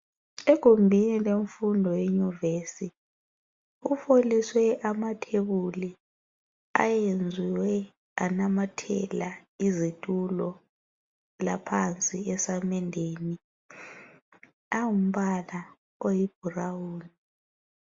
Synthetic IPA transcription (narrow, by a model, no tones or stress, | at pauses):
ɛɡ̥ʱombʱinileɱfundʱɔjeɲuveːsi | ufoliswɛʔamatʰeβuli | a̰jend͡zʱiwɛ | anamatʰɛ̰laizitʼulɔ | lapʰant͡sʼiɛsamɛndʱeːni | awum̩βala | ojib̥ʱurawuːni